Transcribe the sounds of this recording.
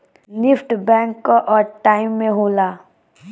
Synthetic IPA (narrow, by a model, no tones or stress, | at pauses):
nɪfʈbɛ̃ːŋkːaʔɔːɾʈaːɪmːẽɦoːlaː